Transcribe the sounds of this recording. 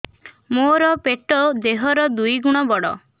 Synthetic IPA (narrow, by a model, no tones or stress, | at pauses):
moɾɔpeʈɔd̪eɦɔɾɔd̪ujɡuɽ̃ɔbɔɽɔ̰